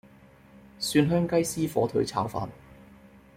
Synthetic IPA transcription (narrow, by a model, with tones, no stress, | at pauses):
syː˧nɦœː˥ŋkɐ˥jsiː˥fɔ̰ː˨˥t̪ʰɵ˨˥ɥt͡sʰa̰ː˨˥wfa̰ː˨˧n